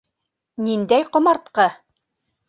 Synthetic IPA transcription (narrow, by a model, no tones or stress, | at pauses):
nind̪æjqŏmɑɾt̪̚qɤ